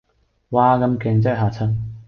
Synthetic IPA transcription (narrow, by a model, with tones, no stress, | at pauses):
waː˧kɐ˧mkɛː˨˧ŋt͡sɛ˥ɦaː˨t͡sʰɐ˥n